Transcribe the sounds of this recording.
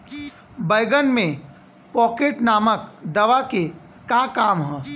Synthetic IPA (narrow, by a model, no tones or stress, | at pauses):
bəjɡənmẽ | pɔːkeːʈnaːməkd̪ɐʋake | kakaːmɦɔː